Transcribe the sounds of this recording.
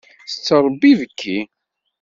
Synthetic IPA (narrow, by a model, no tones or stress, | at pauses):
θə̥t͡sːəɾˤəbːivəkːi